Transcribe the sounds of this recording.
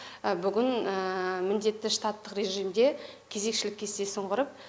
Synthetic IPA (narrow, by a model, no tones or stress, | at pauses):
bʏɡʲɪnəmɪnd̪e̞t̪ːɪʂt̪ɑt̪ːəqɾe̞ʒijmd̪e̞kʲʰe̞ze̞kʃɪlɪkʲʰːe̞st̪e̞səɴʁəɾəp̚